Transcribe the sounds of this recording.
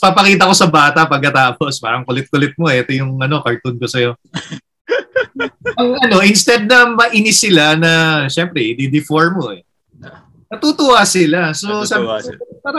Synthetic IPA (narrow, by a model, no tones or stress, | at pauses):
papɐkiːt̪̬ɐko̞sɐbaːt̪ɐpɐɡ̚kɐt̪aːpo̞spa̰ːɾɐŋkʊlɛt̪̚kʊlɛt̪̚mo̞ɛʔɛt̪ojʊŋɐno̞kɐɹt̪unkosɐjo̞ | ɐŋʔɐno̞ʔɪnst̪ɛd̪̚nɐmɐʔinɪsɪlanɐʃɛmpɾɛd̪ɪd̪ɪfoɹmoʔɛ | nɐt̪uːt̪ʊhaːsɪlasosɐaːɾɐ